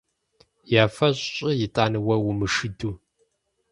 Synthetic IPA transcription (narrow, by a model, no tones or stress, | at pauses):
jaːfɐɕʼɕʼɪjɪtʼaːnɨwɐwʊmɨʂɨduː